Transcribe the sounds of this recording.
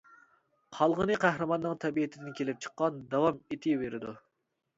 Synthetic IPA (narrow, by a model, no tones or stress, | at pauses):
qʰɑlˠʁənɨqʰæhɾɨmɑnːɨŋt̪ʰɛbiet̪ʰɪd̪ɪnkʲʰelɪp̚t͡ʃʰə̥qːɑnd̪ɑwɑmet̪ʰɪveɾɪd̪u